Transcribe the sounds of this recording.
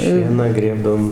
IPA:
ˈʃʲiɛnɑː ˈɡrʲeːbdɐʋoːm

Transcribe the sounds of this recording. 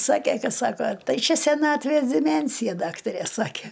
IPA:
ˈsɑːkʲeː ˈkɐ ˈsɑːkoː ˈtɐɪ ˈt͡ʃʲɛ sʲɛˈnɑːtʲʋʲeːs dʲɪˈmʲɛnʲsʲɪjɛ ˈdɑːktɐrʲeː ˈsɑːkʲeː

